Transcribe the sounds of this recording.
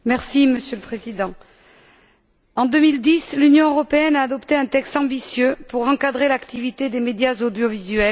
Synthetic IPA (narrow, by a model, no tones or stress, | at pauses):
mɛʁsiməsjøləpχezid̪ɑ̃ | ɑ̃d̪ømild̪islynjɔ̃øʁɔpeɛnaːd̪ɔpt̪eɛ̃t̪ɛkst̪ɑ̃bisjøpuʁɑ̃kad̪ʁelakt̪ivit̪ed̪emed̪jazod̪jɔvizɥɛl